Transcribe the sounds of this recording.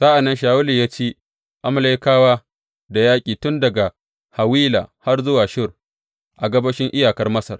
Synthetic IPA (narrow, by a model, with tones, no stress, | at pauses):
sa˦ʔa˨nːɐ˦nʃaː˨wʊ˦liː˨jaː˦t͡ʃeː˦ | ʔa˨ma˨lɐ˦jkaː˦waː˦ | da˨jaː˦kʲʼiː˨tʊ˦ndɐ˨ɡa˨ | ha˨wiː˦la̰ː˨ha˦rzʊ˦waː˨ʃɪ˦r | ʔa˨ɡɐ˦bɐ˦ʃɪ˦ŋʔɪ˦jaː˨kɐ˦rmɐ˦sɐ̰˨r